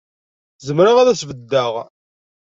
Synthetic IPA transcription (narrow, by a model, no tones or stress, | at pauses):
zəmɾaʁaðæsvəd̪ːaʁ